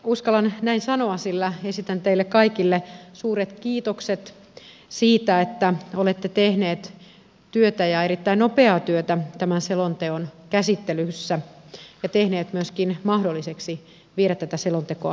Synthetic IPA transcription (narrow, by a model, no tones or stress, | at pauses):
uskɑlɑnnæinsɑnoɑsilːæesit̪ænt̪eilːekkɑikilːesuːɾet̪kiːt̪okset̪ | siːt̪æet̪ːæolet̪ːet̪ehneːt̪ | t̪yøt̪æjɑeɾit̪ːæinopeɑːt̪yøt̪æt̪æmænselont̪eonkæsit̪ːelysːæjɑt̪ehneːt̪myøskinmɑhdolːiseksi | ʋieɾæt̪t̪ːæt̪æselont̪ekoɑ̰